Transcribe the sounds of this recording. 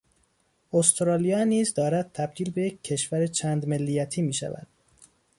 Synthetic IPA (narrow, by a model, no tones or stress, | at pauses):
ost̪ɾɒːlijɒːniːzd̪ɒːɾæd̪̥̚t̪ʰæb̚d̪iːlbe̞jecʰːe̞ʃvæɾet͡ʃʰæːnd̪melːijæt̪ʰiːmiːʃæ̰væ̰d̪̥